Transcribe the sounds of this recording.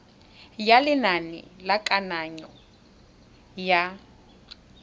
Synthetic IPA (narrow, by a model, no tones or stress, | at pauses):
jalɪnanɪ̰lakʼanaɲɔ | ja